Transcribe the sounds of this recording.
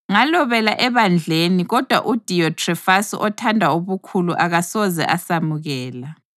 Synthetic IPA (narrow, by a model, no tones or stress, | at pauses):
ŋalɔβɛlaʔɛβand͡ɮʱeniɣɔd̥ʱwaʔud̥ʱijɔtʰʼrɛfasḭʔɔtʰandʱauβukʰuluʔaɣasɔzɛ̰ʔasamuɣɛːla